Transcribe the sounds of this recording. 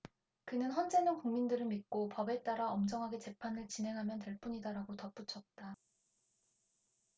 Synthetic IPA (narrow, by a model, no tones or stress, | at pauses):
kɯnɯnɸʌnd͡ʑe̞nɯnkuŋmindɯɾɯɭmit̚k͈opʌbe̞t͈aɾaʌmd͡ʑʌŋɦaɡe̞t͡ɕe̞pʰanɯɭt͡ɕinɦe̞ŋɦamjʌntwe̞ɭp͈uɲidaɾaɡotʌp͈ut͡ɕʰʌt̚t͈a